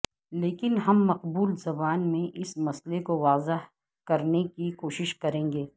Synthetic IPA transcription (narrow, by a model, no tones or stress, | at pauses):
leːkɪnɦɐmːɐqbuːlzɐbaːnmẽʔɪsmɐslekoʋaːzɪɦ | kɐɾnekikoːʃɪʃkɐɾẽːŋɡeː